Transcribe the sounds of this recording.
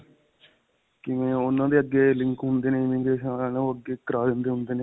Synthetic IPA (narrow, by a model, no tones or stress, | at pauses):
kɪʋẽːʊnãːd̪eːəɡːeːlɪ̃ŋkɦʊnd̪eːnẽːɪmiːɡeːʃaːnẽːoːəɡeːkəɾaːd̪end̪eːɦʊ̃nd̪eːneː